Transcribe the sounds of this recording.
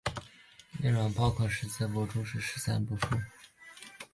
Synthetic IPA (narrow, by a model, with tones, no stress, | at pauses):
lḭ˥˩ŋwa˧˩npɑ˥˧ʊkʰɔ˥˩ʂɻ̩˧˥t͡sa˥˩ɪpwɔ˧˥ʈ͡ʂʊ˥ŋʂɻ̩˥˩ʂɻ̩˧˥t͡sa˥npu˧˥˩ʂu˥˩